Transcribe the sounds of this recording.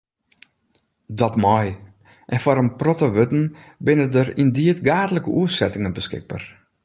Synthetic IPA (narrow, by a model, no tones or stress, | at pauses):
dɔtmɔj | ʔɛnfɔɾənprotoʋøtn̩bɪnədəɾindiətɡaːdələkəʔuəsɛtɪŋənbəskɪ̰k̚bə̰r